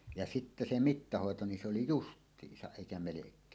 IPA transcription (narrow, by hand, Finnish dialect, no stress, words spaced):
jɑ sitːe se mitːɑhoˑeto ni se oli justˑiːsɑʔ ʔeˑikæ melekˑeː